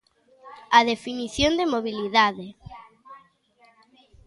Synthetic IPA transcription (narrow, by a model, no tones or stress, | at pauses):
aðefiniθjond̪emoβiliðaðe